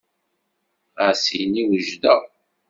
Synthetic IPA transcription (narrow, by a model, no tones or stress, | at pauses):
asiniwəʒd̪æ